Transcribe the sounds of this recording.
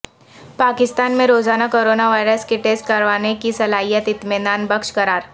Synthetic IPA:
paːkɪst̪aːnmẽɾoːzaːnakoːɾoːnaʋaːɪɾəskeʈeːsʈ̚kɐɾʋaːnekisɐlaːɦijət̪ɪt̪mɪd̪aːnbɐkʃkɐɾaːɾ

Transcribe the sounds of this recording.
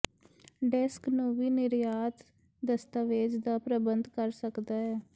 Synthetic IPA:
ɖɛsknũːʋiːnɪɾjaːt̪ | d̪əst̪aʋeːd͡ʒd̪aːpɾəbənd̪kəɾsəkd̪aːɦɛː

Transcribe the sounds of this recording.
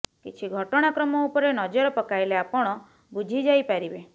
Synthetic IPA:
kit͡ʃʰiɡʱɔʈɔɽ̃akɾɔmɔupɔɾenɔd͡ʒɔɾɔpɔkajleapɔɽ̃ɔ | bud͡ʒʱid͡ʒajpaɾibe

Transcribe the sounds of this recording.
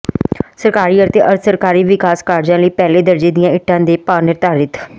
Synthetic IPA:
səɾkaːɾiːəɾt̪eːʔəɾt̪ʰsəɾkaːɾiːʋɪkaːskaːɾd͡ʒãːləiːpɛːleːd̪əɾd͡ʒiːd̪ɪjãːɪʈʰːãːd̪eːpaːnɪɾt̪aːɾɪt̪

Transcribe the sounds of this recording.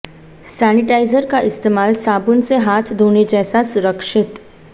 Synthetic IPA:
sæniʈajzəɾkaʔɪst̪emaːlsabunseɦat̪ʰd̪ʱoned͡ʑɛːsasuɾəkʂɪt̪

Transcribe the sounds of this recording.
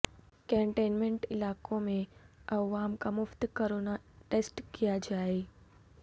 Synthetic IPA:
kɛ̃ːɳʈeːnmẽɳʈɪlaːkõmẽɐʋaːmkamʊft̪kəɾoːnaʈeːsʈkijad͡ʒaːe

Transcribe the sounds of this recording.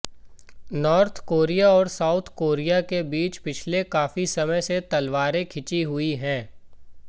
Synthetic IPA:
nɔːɾt̪ʰkoːɾijaɔːɾsaːʊt̪ʰkoːɾijakebiːt͡ʃpɪt͡ʃʰlekaːfisɐməjset̪ɐlʋaːɾẽkʰɪt͡ʃiɦʊiɦɛ̃ː

